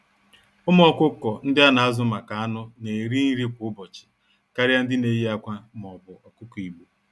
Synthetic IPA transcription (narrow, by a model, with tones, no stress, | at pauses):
ʊ˦m˦ɔ˦kʷʊ˦kɔ˨n̩˦dɪ˦a˦na˨a˦zʊ˦ma˨ka˨a˦nʊ˦ne˨ɾi˦ni˦ɾi˦kʷʊ˨˦ʊ˦bɔ˨t͡ʃɪ̥˨ | ka˦ɾja˦n̩˦dɪ˦ne˨ji˦a˦kʷa˦m˨ɔ˨bʊ˨ɔ˨kʊ˦kɔ˨i˨ɡ͡bu˨